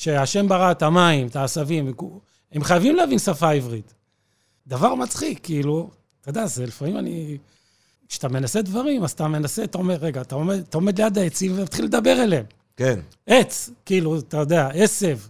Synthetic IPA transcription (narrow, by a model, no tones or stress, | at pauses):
ʃeaʃe̞mbaʁat̪amaimt̪aːsavimeku | emχajavimleavinsafaivʁit̪ | d̪avaʁmat͡sχikʰːiːlu | t̪od̪azelifamimani | kʃe̥at̪ame̞nased̪vaʁimazat̪ame̞naseat̪ao̞meʁːeɡaːt̪aomed̪at̪aome̞d̪lejad̪aet͡simvemat̪χilːed̪abe̞ʁelem | ken | ʔe̞t͡skiiːluat̪ajo̞d̪eaese̞v